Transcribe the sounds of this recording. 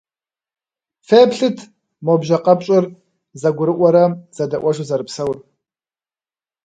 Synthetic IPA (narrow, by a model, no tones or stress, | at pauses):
feːpɬɨtʰ | mobʒaqʼɐpʼt͡ʃʼɨr | zaɡʷʊɾɨʔʷaɾaz̥adaʔʷaʒʷuzaɾɨpʰsɐwr